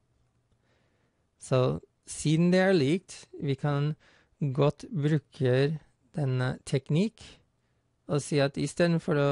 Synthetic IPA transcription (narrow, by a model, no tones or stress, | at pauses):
soː | siːd̪n̩d̪eːæːɭiːk̚t̪ʋiːkʰɑn | ɡɔt̪bɾʉːkʰəɾ | d̪̥ɛnət̪ʰɛknɪk | oːsiːɑt̪iːst̪eːd̪n̩fɔɾoː